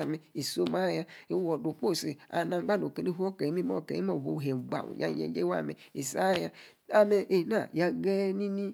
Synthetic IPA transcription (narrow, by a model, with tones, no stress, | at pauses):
a˨mɛ˨i˨so˦ma˦˨ja˦i˨wo˨do˨k͡po˦˨si˨a̰˨na˨˦ɡ͡ba˦˨do˨ke˨ni˦ho˦ke˨i˦mi˦mo̰˦˨kḛ˨i˦mo˦˨vo̰˨ɦɛ˨ɡ͡ba̰˨ṵ˨ja̰˦jɛ̰˨˦d͡ʒe˦a̰˦˨mɛ̰˨i˨sa˦˨ja˦ | a˨me˨ʔe˨na˦˨ja˨ɡɛ˦ni˦ni˦